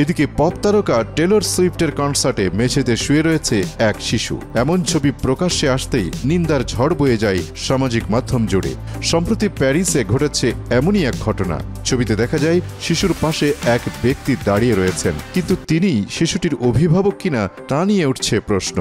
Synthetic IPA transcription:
ed̪ikepɔp̚t̪aɾokaʈeloɾswipʰʈeɾkɔɳɖsaɾʈemed͡ʑʱet̪eʃueɾojet͡ɕʰeɛkʃiʃṵɛmont͡ɕʰobipɾokaʃeaʃt̪ejnind̪aɾd͡ʑʱɔɽbojed͡ʑaj | ʃamad͡ʑikmad̪ʱːomd͡ʑoɽḛ | ʃɔmpɾot̪ipɛɾiseɡʱoʈet͡ɕʰeɛmoniɛk̚ɡʱɔʈona̰t͡ɕʰobit̪ed̪ɛkʰad͡ʑajʃiʃuɾpaʃeɛkbek̚t̪id̪aɽijeɾojet͡ɕʰenkint̪ut̪iniʃiʃuʈiɾobʱibʱabokːinat̪anieuʈt͡ɕʰepɾosno̰

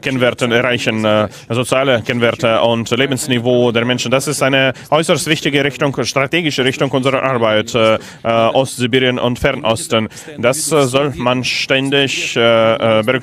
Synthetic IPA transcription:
kʰɛnvɛʁtənɛʁaɪçən | zot͡sjaːləkʰɛnvɛɐtəʊntleːbn̩snivoːdeːɐmɛnʃn̩d̥asɪstʔaɪnəʔɔʏsəstv̥ɪçtɪɡəʁɪçtʊŋʃtʁ̥ateːɡɪʃəʁɪçtʊŋʔʊnzəʁɐʔaɐbaɪt | ʔɔstz̥ibiːʁjənʔʊ̰ntfɛʁnʔɔstən | d̥aszɔlmanʃtɛndɪç | bəʁʏk

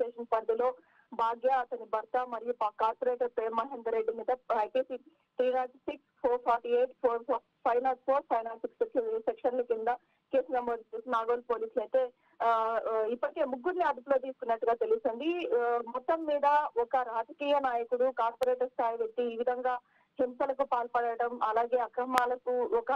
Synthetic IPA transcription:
ʈeːʂɐnpɐnd̪ilo̞ː | bʱaːɡjaːɐt̪ɐnibɐɾt̪ɐmɐɾijupkaːɾpoɾeːʈɐɾp̪eːmɐɦeːnd̪ɐɾeɖːimiːd̪ɐɐjkeːsi | t̪ɾiːnaːjʈsikspʰoːɾpʰaːɾʈieːʈpʰoːɾ | pʰɐjnaːlspʰoːɾpʰɐjnaːlsikseksɐisekʂɐnlukind̪ɐ | keːsnɐmboːd̪t͡ʃeːsinaːɡoːlpoːliːslɐjt̪e̞ː | ipːɐʈike̞ːmuɡːuɾniɐd̪uploːt̪iːsu̥kunːɐʈːuɡaːt̪e̞lusind̪imɔt̪ːɐmːiːd̪ɐɔkɐɾaːd͡ʒɐkiːjɐnaːjɐkuɽukaːɾpoɾeːʈɐɾst̪ʰaːjiʋek̚t̪ːiːʋid̪ʱɐŋɡaː | himsɐlɐkupaːlpɐɽɐɐʈɐmɐlaːɡeːɐkɾɐmaːlɐkuɔkɐ

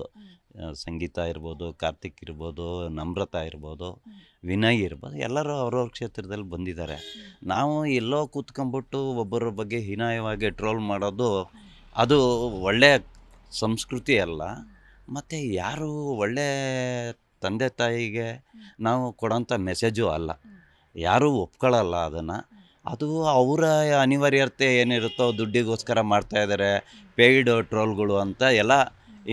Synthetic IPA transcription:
sɐŋɡiːt̪aiɾbo̞ːd̪uka̰ːɾt̪ikiɾbo̞ːd̪unɐmɾɐt̪aiɾboːd̪u | ʋinɐjiiɾbo̰ːd̪uɛ̰lːɐɾuɐʋɐɾoːɾkʂeːt̪ɾɐd̪ɐlːibɐnd̪id̪aːɾe̞̰naːʋuɛlːoːkuːt̪kombiʈːuɔbːɐɾɐbɐɡːe̞ɦinaːjɐʋaːɡiʈɾoːlmaːɽoːd̪u | ɐd̪uɔɭːejɐsɐmskɾut̪iɛlːɐ̰ | mɐt̪ːujaːɾuːɔɭːe̞ | t̪ɐnd̪et̪aːjiɡenaːʋukɔɽɐnt̪ʰɐmɛsed͡ʒuɐ̰lːɐ̰ | ja̰ːɾuːopːkoɭɐlːɐːd̪ɐnːɐ | ɐ̰d̪uɐʋɾɐɐniʋaːɾjɐɾt̪ːeeːniɾut̪ːod̪uɖːiɡoːskɐɾɐmaːɖt̪aːjd̪aːɾepejɖʈɾoːlɡɐɭuɐnt̪ɐɛlːɐ

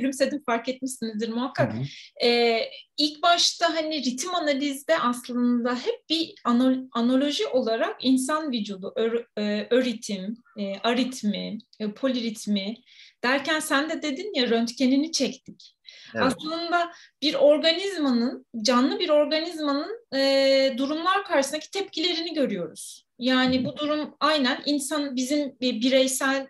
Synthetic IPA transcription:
yɾymse̞d̪imfaɾkɛt̪̚miʃsinizd̪iɾmuɦakʰːakɛilʲcbaʃt̪aɦaniɾit̪ʰimanalʲizd̪ɛʔaslˠɯnd̪aɦɛp̚bianoano̞lʲˠo̞ʒiʔo̞lˠaɾakins̬anvid͡ʒolˠuʔøøɾit̪ʰim | ʔaɾit̪ʰmipʰo̞lʲiɾit̪ʰmi | d̪̥æɾcʰænsænd̪ɛd̪e̞d̪injaɾø̞nt̪cʰe̞ninit͡ʃʰɛct̪ʰic | aslˠɯnd̪ab̥iɾo̞ɾɡanizmanɯnd͡ʒanlˠɯbiɾo̞ɾɡanizmanɯnɯd̪uɾumlˠaɾkʰaɾʃɯsnacʰit̪ʰɛp̚cʰilʲe̞ɾiniɟø̞ɾyjo̞ɾuz̥ | jaːnibud̪uɾumajnæninsanbizimbiɾɛjsælʲ

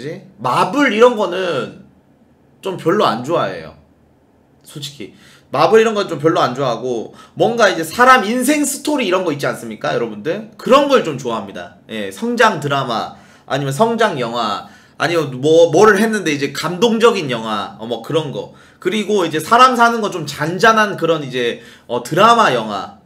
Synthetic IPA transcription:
d͡ʑimabɯɾiɾʌnɡʌnɯn | t͡ɕompjʌɭːoa̰nd͡ʑoaḛjo̰ | sʰot͡ɕʰi̥kʰi | mabɯɾiɾʌnɡʌnɯnt͡ɕomp̬jʌɭːoand͡ʑoaɦaɡomwʌnɡaid͡ʑe̞sʰaɾamins̬ʰe̞ŋsʰɯ̥tʰoɾiːɾʌnɡʌit̚t͡ɕians͈ɯmɲik͈ajʌɾʌbundɯkɯɾʌnɡʌɯɭt͡ɕomt͡ɕoaɦamɲida̰je̞̰sʰʌŋd͡ʑaŋtɯɾama̰ː | ɲimjʌnsʰʌŋd͡ʑaŋjʌŋɦwa̰ː | ɲimjʌnmʌmʌɾɯɭɦenːɯnde̞id͡ʑe̞kamdoŋd͡ʑʌɡinjʌŋɦwa̰ʌmʌkɯɾʌnɡʌ̰ | kɯɾiɡoid͡ʑe̞sʰaɾamsʰanɯnɡʌt͡ɕomt͡ɕand͡ʑanɦankɯɾʌnid͡ʑe̞ | ʌtɯɾamajʌŋɦwa̰

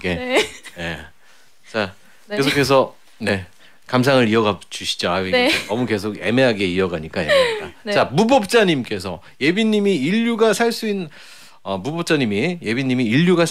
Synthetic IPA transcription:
ɡene̞̰ | t͡ɕa | ke̞sʰokʰe̞s̬ʰʌ | ne̞ | kams̬ʰaŋɯɾiʌɡad͡ʑuɕʰi̥d͡ʑoanʌmuke̞s̬ʰoɡe̞̰me̞ɦaɡe̞iʌɡaɲik͈ajeaa̰t͡ɕamubʌp̚t͡ɕ͈aɲimk͈e̞sʰʌ | je̞biɲːimiiʎːuɡasʰaɭs͈uin | ʌmubʌp̚t͡ɕ͈aɲimije̞biɲːimiːʎːuɡas

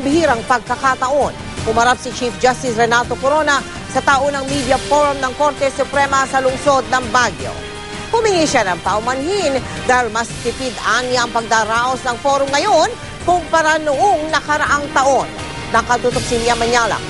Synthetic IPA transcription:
bɪhiɾɐŋpɐɡ̚kɐkat̪ɐʔo̞n | kʊmɐɾap̚sit͡ʃifd͡ʒast̪ɪsɾɛnat̪o̞koɾonɐ | sɐt̪aʔonɐŋmid̪jɐfoɹamnɐŋko̞ɾt̪ɛsʊpɾɛmɐsɐlʊŋso̞d̪̚nɐŋbaɡjo̰ | hʊmɪŋiʃanɐŋpaʊmɐnhind̪aːhilmɐst̪ɪt̪id̪aŋjaɐŋpɐɡ̚d̪aɾaʔosnɐŋfo̞ɾʊmŋɐjon | kʊŋpɐɾanoʔoŋnɐkɐɾɐʔaŋt̪ɐʔo̞nː | ɐkɐd̪ut̪ok̚sɪliɐmɐɲalɐ̰

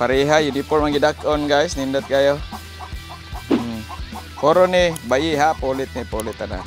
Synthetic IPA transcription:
paɾeɦajunipɔɾmaŋɡidakɔnɡajsnindɔt̪̚ɡajo | poɾonibaʔiɦapolɪt̪̚nipolɪt̪ana̰

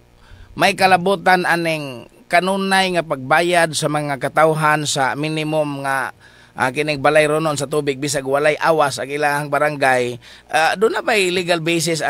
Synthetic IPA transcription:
majkalabut̪anʔanɪŋkanunajŋapaɡ̚bajad̪samaŋakat̪awɦansaminɪmʊmŋa | ʔkɪnɪŋbalajɾonons̬at̪uːbɪɡ̚bis̬aɡwalajʔaːwasaɡʔɪlahaŋbaɾaŋɡajʔad̪ʊnapajliɡalbejs̬ɪsa

